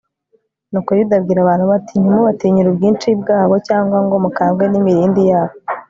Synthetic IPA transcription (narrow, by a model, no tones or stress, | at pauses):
nokojudabɡiːɾaβaːn̥uβatiɲmuβatiːɲuɾubɡiːnt͡ʃib̚ɡaːβocaːŋɡwaŋɡo̞mukaːɡwenimiɾiːndijaːβo